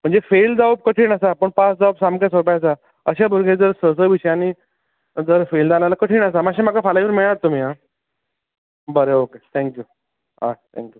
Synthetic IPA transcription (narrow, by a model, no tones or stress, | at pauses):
m̤əɳd͡zefeld͡zaʋəb̚kəʈʰiːɳəsapəɳpasd͡zaʋəbsamkasopajs̬a | əɕabʱuɾɡʱed͡zəɾsəsəʋiɕəjañi | d͡zəɾfeld͡zalalakəʈʰiːɳəsamaɕemakafalajʋiɾmiɭat̪ːum̤iːɦa | bəɾeoket̪ʰɛ̃ŋkju | ɦat̪ʰɛ̰̃ŋkju